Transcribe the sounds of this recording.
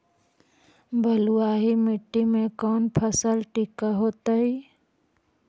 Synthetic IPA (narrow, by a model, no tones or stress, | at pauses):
bʱəlʊwaːɦimɪʈːimẽkɔːnpʰəsəlʈikaɦoːt̪aɦi